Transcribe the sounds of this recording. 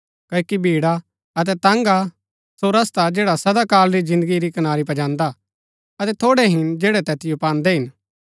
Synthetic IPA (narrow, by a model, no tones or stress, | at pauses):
kɐːokibʱiːɽa | ɐt̪̬ɛt̪ãːŋɡa | soɾɐst̪ad͡ʒɛːɽasɐd̪akaːlɾid͡ʒɪ̃nd̪əɡiɾikɐnaːɾipɐd͡ʒãːnd̪a | ɐt̪ɛt̪ʰoːɽɛɦɪnd͡ʒɛːɽɛt̪ɛt̪ɪjopãːnd̪ɛɦɪn